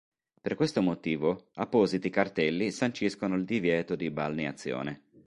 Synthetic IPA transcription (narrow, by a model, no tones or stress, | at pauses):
perkwest̪omot̪iːvoapːɔːzit̪ikart̪ɛlːisant͡ʃiskonoild̪ivjɛːt̪od̪ibalniat̪sːjɔ̰ːne